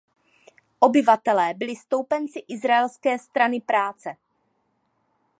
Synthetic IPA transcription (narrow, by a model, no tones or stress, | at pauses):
ʔobɪvat̪ɛlɛːbɪlɪst̪o̞wpɛnt͡sɪʔɪzɾaɛlskɛːst̪ɾanɪpɾaːt͡sɛ